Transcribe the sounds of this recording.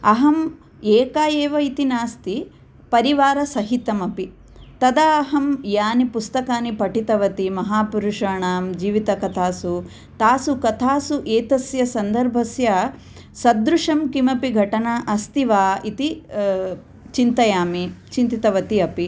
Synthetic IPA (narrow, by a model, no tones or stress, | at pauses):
ɐɦɐm | eːkaːjeːʋɐit̪inaːst̪i | pɐɾiʋaːɾɐsɐɦit̪ɐmɐpi | t̪ɐd̪aɐɦɐmjaːnipust̪ɐkaːnipɐʈit̪ɐʋɐt̪imɐɦaːpuɾuʂaːɳaːmd͡ʒiːʋit̪ɐkɐt̪ʰaːsu | t̪aːsukɐt̪ʰaːsuʔeːt̪ɐsjɐsɐnd̪ɐɾbʱɐsjɐ | sɐd̪ɾuʂɐmkimɐpiɡʱɐʈɐnaʔɐst̪iʋaːit̪i | t͡ʃint̪ɐjaːmit͡ʃint̪it̪ɐʋɐt̪iɐpi